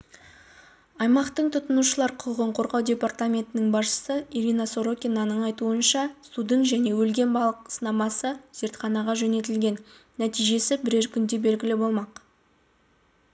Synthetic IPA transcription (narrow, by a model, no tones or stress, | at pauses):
ɑjmɑqt̪əɴt̪ʰʊt̪ənuʃəlˠɑɾqʰʊʁəɴqʰo̞ɾʁɑwd̪ʲe̞part̪amʲe̞nt̪ɪnɪŋbɑzʃə̥səiɾinɑso̞ɾokʲinɑnəɴɑjt̪uənʃɑst̪ud̪əɴʒæne̞wɵlɡʲe̞nbɑlˠəqsənɑmɑsəz̥e̞ɾt̪χɑnɑʁɑʒɵne̞t̪ɪlɡʲe̞nː | æt̪ijʒe̞sɪbɪɾe̞ɾkʲʰʏnd̪e̞be̞lɡʲɪlɪbo̞lˠmɑq